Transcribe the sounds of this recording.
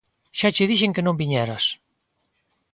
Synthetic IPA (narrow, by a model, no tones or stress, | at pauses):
ʃat͡ʃeðiʃeŋkenõmbiɲɛɾas